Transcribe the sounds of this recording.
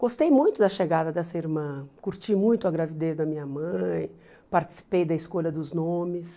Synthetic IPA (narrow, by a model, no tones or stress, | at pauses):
ɡ̥ost̪ejmũj̃t̪ʊd̪ɐʃeɡad̪ɐd̪ɐsɐiɾmɐ̃kuɾt͡ʃimũj̃t̪ʊɐɡɾavid̪ezd̪ɐmĩɲɐmɐ̃j̃ | paɾt͡ʃi̥si̥pejd̪ɐiskolɐd̪ʊznõmɪs